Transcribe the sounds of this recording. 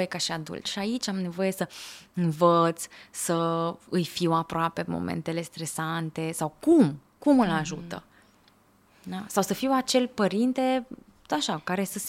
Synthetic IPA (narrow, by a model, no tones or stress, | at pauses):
jekaʃiad̪ṵlt͡ʃʃiait͡ʃʲamne̞vo̞je̞səɨnvət̪sʲsəɨjfiwapɾoape̞mo̰mḛnt̪e̞le̞st̪ɾe̞sant̪e̞sawkum | kumɨlaʒṵt̪ə̰ | asawsəfiwat͡ʃe̞lʲpəɾint̪e̞ | t̪ot̪aʃakaɾe̞səs